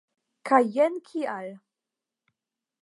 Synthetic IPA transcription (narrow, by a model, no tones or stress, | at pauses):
kʰajɛnkʰial